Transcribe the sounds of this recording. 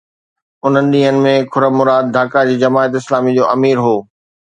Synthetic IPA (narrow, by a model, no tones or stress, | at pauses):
ʊn̤ənɪ̆ɗĩːɦənɪ̆mẽkʰʊɾəmʊɾaːd̪̚d̪ʱaːkad͡ʑiːd͡ʑɐmaːət̪ɪslaːmid͡ʑoːʔɐmiːɾɦoː